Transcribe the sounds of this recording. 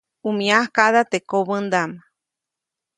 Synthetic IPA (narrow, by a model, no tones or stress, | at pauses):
umĩahkaðat̪ekoβɨnd̪ama